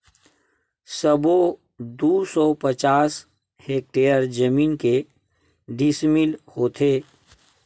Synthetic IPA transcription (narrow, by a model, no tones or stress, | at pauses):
səbo | d̪uːsɔpɐt͡ʃaːs | heːk̚ʈeːjəɾd͡ʒəmiːnke | ɖɪsmilhoːt̪ʰeː